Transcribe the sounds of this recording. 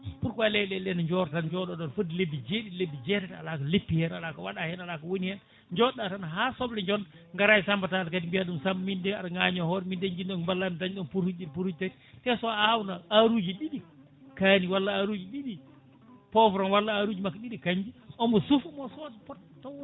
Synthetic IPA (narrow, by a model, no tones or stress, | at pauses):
puɾkwalɛlɛlɛnaɲd͡ʒɔɾtanɲd͡ʒɔɗɔɗɔnfodilebːid͡ʒeɗilebːid͡ʒɛɾɛta̰lakalepːihɛnalakawaɗahɛnalakawonihɛn | ɲd͡ʒɔɗatanɦasɔblɛɲd͡ʒɔn | ŋɡaɾajsambatadkatimbijaɗumsammindɛaɗaŋaɲɔhɔɾmindɛɲd͡ʒinɗɔnbalːandaɲɗɔnpuɾhud͡ʒɗipuɾhud͡ʒtat | tɛsɔawnaaɾud͡ʒiɗiɗi | kaniwalːaaɾud͡ʒiɗiɗi | pɔfɾɔnwalːaaɾud͡ʒimakːɗiɗikaɲd͡ʒiɔmbɔsufumɔsɔdpɔt̚ | tɔ